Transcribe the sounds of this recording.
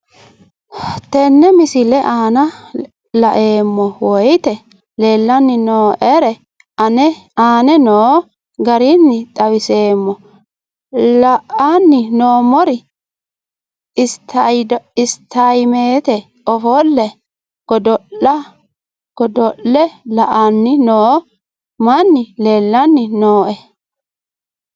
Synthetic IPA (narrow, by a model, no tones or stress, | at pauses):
t̪ɛnːɛmɪsɪlɛʔaːnɐ | lɐʔe̞ːmːɔwɔjt̪ɛ | le̞ːlːɐnːɪnoːʔɛɾɛ | ɐnɛaːnɛnoː | ɡɐɾinːɪt̪ʼɐwɪse̞ːmːɔ | lɐʔanːɪnoːmɔɾɪ | ɪst̪ʰɐjɪst̪ʰːajmeːt̪ɛ | ɔfɔlːɛ | ɡ̥ɔd̪ɔɐ | ɡ̥ɔd̪ɔlːɛlɐʔanːɪnoː | manːɪle̞ːlːɐnːɪnoːʔɛ